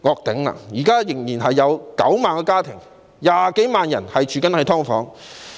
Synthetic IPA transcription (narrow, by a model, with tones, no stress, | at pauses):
ŋɔː˧k̚t̪ɪ˨˥ŋla̰˧jiː˨˩kaː˥jɪ˨˩ŋjiː˨˩nhɐ˨jːɐ˨˧wkɐ̰˨˥wmaː˨nkɔː˧kaː˥t̪ʰɪ˨˩ŋ | jaː˨ke˨˥jmaː˨njɐ˨˩nhɐ˨jt͡ʃʰyː˨˥kɐ˨˥nhɐ˨˥jt̪ʰɔː˥ŋfɔː˨˥ŋ